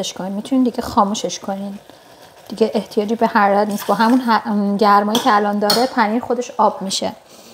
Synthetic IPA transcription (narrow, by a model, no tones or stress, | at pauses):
eʃkʰoninmit̪ʰunind̪iɟʲexɒːmuʃeʃkʰo̞nin | d̪̥iɟeʔeht̪ʰijɒːd͡ʒiːbehæɾæt̪niːst̪bɒːɦæmunɦɟ̪æɾmɒːjicʰeælɒnd̪ɒːɾepʰæniːɾxo̞d̪e̞ʃɒːb̥miʃḛ